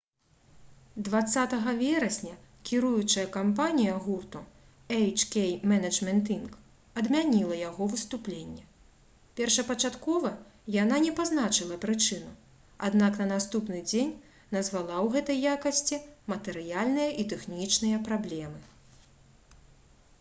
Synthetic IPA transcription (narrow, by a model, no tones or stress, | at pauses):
d̪vat̪sːat̪ɐɣɐvʲɛɾɐsʲnʲɐkʲiɾujut͡ʂɐjɐkampanʲijɐɣurt̪u | ɛjt͡ʂkʲejmɛnɐmʲɛnt̪ink | ɐd̪mʲanʲilˠɐjaɣɔvɨst̪uplʲenʲːɛ | pʲɛrʂɐpɐt͡ʂat̪kɔvɐjananʲɛpaznat͡ʂɨlˠɐpɾɨt͡ʂɨnu | a̰d̪naknɐnast̪upnɨd͡zʲenʲ | nɐzvalˠawɣɛt̪ɐjːakɐsʲt͡sʲimɐt̪ɛɾɨjalʲnɨjɐʔit̪ɛxnʲit͡ʂnɨjɐpɾablʲɛmɨ